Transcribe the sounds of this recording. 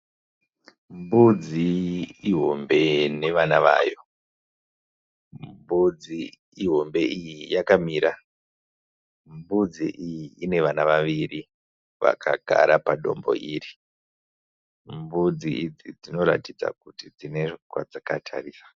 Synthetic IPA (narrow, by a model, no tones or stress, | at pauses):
mbud͡ziiɦo̞mbe̞ne̞ʋanaʋa̰ːjo̞ | mbud͡zi | iɦo̞mbe̞ijijakamiːɾa | mbud͡ziʔijiine̞ʋanaʋaʋiɾi | ʋa̰kʰaɡʱa̰ɾapaɗo̞̰mbo̞̰ʔiːri | mbud͡ziid͡zid͡zino̞ɾa̰tid͡za̰k̚utid͡zine̞kwa̰d͡zakatʰa̰riːsḁ